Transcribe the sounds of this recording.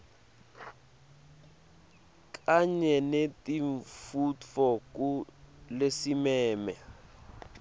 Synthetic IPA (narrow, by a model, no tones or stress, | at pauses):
k̬ʼaɲɛnetʼiɱfutfɔk̬ʼulesimɛːmɛ̰